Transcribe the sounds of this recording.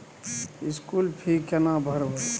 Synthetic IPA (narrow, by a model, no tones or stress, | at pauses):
iskulpʰikənabʱəɾɦo